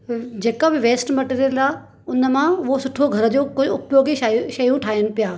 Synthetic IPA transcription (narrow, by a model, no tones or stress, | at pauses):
d͡ʑeːkabɪʋeːsʈmɐʈeːɾiəlaː | ʊnəmãʊɦosʊʈʰoɡʱɐɾəd͡ʑoːkʊʊpjoːɡiʃɐjũʈʰaːənʊ̆pijaː